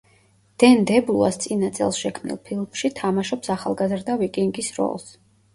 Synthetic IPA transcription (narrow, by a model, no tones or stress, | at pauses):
d̪̥ɛnd̪ɛblua̰st̪sʼinat̪sʼɛ̰lˠsʃɛkʰmnḭlˠpʰilˠmʃit̪ʰamaʃɔpsaχalˠɡazɾd̪avikʼiŋɡisɾɔ̰lˠs